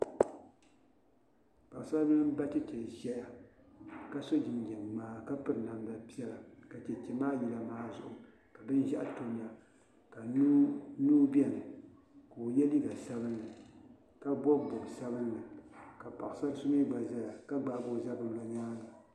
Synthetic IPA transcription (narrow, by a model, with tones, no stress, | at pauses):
pa˨ʔsa˦bɨ˦n˦ba˦t͡ʃɛ˦t͡ʃɛ˨ʒɛ˦ja˨ | ka˦so˦d͡ʒɪ˨mɡɛ˨n˨maː˨˦ka˦pɨ˦ɾɨ˨na˨mda˨pi˦ɛ˦la˨ka˨t͡ʃɛ˨t͡ʃɛ˨maː˦ji˨la˨maː˨˦zʊ̰˨ʔʊ˨ | ka˨bɨ˦nʒa˦ʔto˨m˦ja˨ | ka˨n˦nuː˦bɛ˦nɨ˨ | koː˨jɛ˦li˦ɡa˨sa˦bɨ˦nːɨ˨ | ka˦bɔ˦bbʊ˨bsa˦bɨ˦nːɨ˨ka˨pa̰˨ʔʊ˨sa˦sʊ˦mi˦ɡ͡ba˨ʒɛ˦ja˨ka˦ɡ͡ba˨bo˦za˦bɨ˦˨m˦la˨ɲaː˦na˨